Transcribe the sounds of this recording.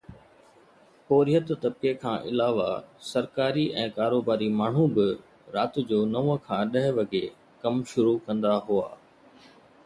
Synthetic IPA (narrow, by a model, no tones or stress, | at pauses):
poːɾijət̪t̪ɐb̚kekʰãːʔɪ̰laːʋasɐɾkaːɾiʔɛ̃ːkaːɾoːbaːɾimaːɳ̤ubɪ | ɾaːt̪̆d͡ʑoːnɐʋəkʰãːɗɐɦɪʋɐɡe | kɐmʃʊɾukɐ̃nd̪aɦua̰ː